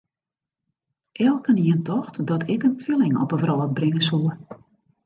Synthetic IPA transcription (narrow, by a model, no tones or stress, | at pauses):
ʔɛlˠkəniəntʰɔxtdɔtʰɪkəntʰʋɪlɪŋɔ̰pəvrɔːt̚brɪŋəsuə